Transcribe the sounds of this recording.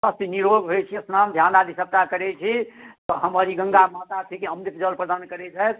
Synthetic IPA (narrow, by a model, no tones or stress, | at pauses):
sast̪iniɾoɡɦot͡ʃʰiəsnamd̪ʱjanad̪ʱisəb̚t̪akəɾɛt͡ʃʰit̪ɔɦəməɾiɡə̃ŋɡamat̪at̪ʰikeəmnit̪d͡ʒəlpɾəd̪ankəɾɛt͡ʃajt̪